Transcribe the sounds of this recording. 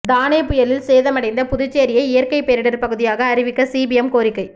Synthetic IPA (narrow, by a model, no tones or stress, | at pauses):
d̪aːnɐɪpʊjɐlɪlseːðɐmɐɽɐɪnd̪ɐpʊðʊt͡ʃːeːɾɪjɐɪɪjɐɾkɐɪpɛɾɪɽɐɾpɐɣɯðɪjaːɣɐːɾɪʋɪkːɐsiːbɪɛmkoːɾɪkːɐɪ